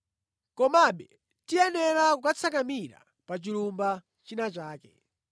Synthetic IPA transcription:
kɔmaɓɛ | tijɛnɛɾakukat͡sʰakamiɾa̰ | pat͡ʃilumba | t͡ʃinat͡ʃaːkɛ̰

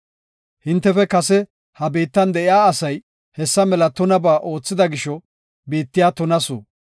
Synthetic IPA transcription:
hɪnt̪ːɛfɛkɐsɛ | hɐbeːt̪ːɐnd̪ɛʔɪaːɐsɐj | hɛsːɐmɛlɐt̪ɔnɐbaːʔo̞ːt͡sːɪd̪ɐɡɪʃɔ | beːt̪ːɪjaːt̪ɔnɐso̰ː

